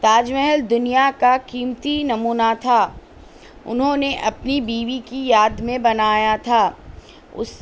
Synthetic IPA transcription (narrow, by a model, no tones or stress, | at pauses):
t̪aːd͡ʒmɛɦəld̪ʊnijakakiːmt̪inɐmuːnat̪ʰaː | ʊ̰nɦõneʔɐpnibiːʋikijaːd̪mẽbɐnaːjat̪ʰaː | ʊ̰s